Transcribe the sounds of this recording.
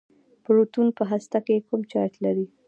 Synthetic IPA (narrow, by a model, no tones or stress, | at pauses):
pəɾut̪unpəɦast̪akekumt͡ʃɑjt̪laɾi